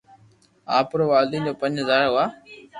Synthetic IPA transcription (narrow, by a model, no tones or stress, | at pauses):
aːpɾoːʋaːld̪ĩːnd͡ʑoːpə̃ɲɦəzaːɾɦʊaː